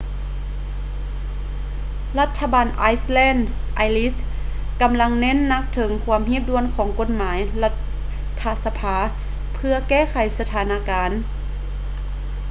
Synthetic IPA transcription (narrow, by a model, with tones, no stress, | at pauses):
la˧˥t̪ʰːa˧baː˨nʔaː˧˥jslɛː˧˥˨nd | ʔa˧jli˦˥s | ka˧mla˧ŋne˧˥˨nːa˧˦˥k̚t̪ʰɤ˨˩˦ŋkʰu˧əmɦi˧˥˦p̚du˧ənkʰɔː˩˦ŋko˧t̪̚maː˩˦jla˧˥t̪̚ʰː | a˧sa˧pʰaː˧˦ | pʰɯ˧ɐkɛː˧˥˩kʰa˨˩jsa˧t̪ʰaː˨˦na˧˥kaː˨˧n